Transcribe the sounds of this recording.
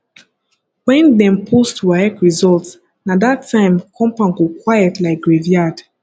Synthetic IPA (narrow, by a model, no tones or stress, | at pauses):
wɛ̃ndɛ̃mpʰustʰuwaɛkɹizɔlts | nadatʰːãɪ̃mkʰɔ̃mpãŋɡokwajɛtlaɪk̚ɡɹeviad̥